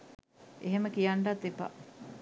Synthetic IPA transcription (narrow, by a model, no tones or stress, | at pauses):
ʔeɦeməkijaɳɖat̪ːipa̰